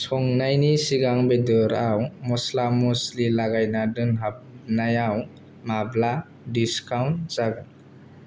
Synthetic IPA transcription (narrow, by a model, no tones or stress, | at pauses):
sɔŋnajnisiɡaŋbedɯɾawmɔslamuslilaɡajnadɯnɦap̚najaw | mabla | diskawnzaɡaŋ